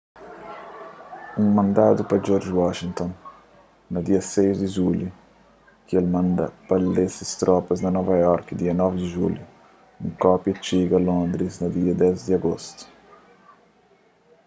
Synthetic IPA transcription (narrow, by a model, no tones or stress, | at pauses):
uŋmɐ̃nd̪aːd̪upɐd͡ʒɔɾd͡ʒwɔʃiŋt̪ɔnː | ɐd̪iɐsejzd̪ɪʒulju | kelmand̪ɐ̰palːesist̪ɾɔpɐznɐnɔvajɔɾkd̪iɐnɔvɪd̪ɪʒṵlju | uŋkɔpjɐt͡ʃiɡɐlõnd̪ɾiznɐd̪iːɐd̪ɛzd̪iaɡost̪u̥